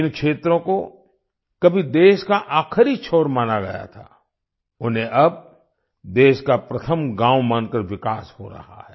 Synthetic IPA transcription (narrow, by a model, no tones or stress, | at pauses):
ɪ̃nkʃeːt̪ɾõko | kɐbʱid̪eːʃkaʔaːkʰɾit͡ʃʰoːɾmaːnaɡɐja̰t̪ʰa̰ː | ʊnɦẽʔɐb̚ | d̪eːʃkapɾɐt̪ʰəmɡãːwmaːnkəɾʋɪkaːsho̰ɾɐ̰ha̰ɦɛː